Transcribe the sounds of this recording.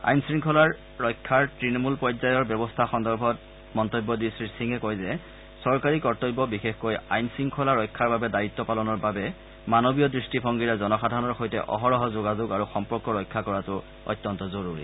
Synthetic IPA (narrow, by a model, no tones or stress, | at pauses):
a̰jnsɹiŋkʰɔlaɹː | ɔjkʰːaɹtɹinɔmulpɔjzajɔɹbjɔbɔstʰaxɔndɔɹbʱɔt | mɔntobːɔdisɹisiŋɛkɔjzɛ | sɔɹkaɹikɔɹtɔjbɔbixexkoja̰jnsɹiŋkʰɔlaɹːɔjkʰːaɹbabɛdaitːɔpalɔnɔɹbabɛ | manobijɔdɹistipʰɔŋɡiɹɛzɔnɔxadʱanɔɹxojtɛ̰ʔɔ̰ɦɔɹɔɦɔzoɡazʊɡaɹuxɔmpɔɹkːɔɹɔjkʰːakɔɹatʊ | ɔ̰jtːɔntɔzɔɹuɹḭ